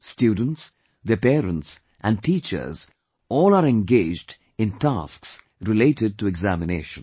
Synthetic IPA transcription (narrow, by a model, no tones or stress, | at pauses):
sʈjuːɖ̃n̩ʈs | ðipeːɾə̃nʈs | ʔæ̃ɳɖ̚ʈiːt͡ʃə̰ɾz | ɔːlaːɾɛ̃nɡeːd͡ʒɖ | ɪ̃nʈa̰ːsks | ɾɪleːʈɪɖ̚ʈuɛɡzæmɪnḛːʃə̃n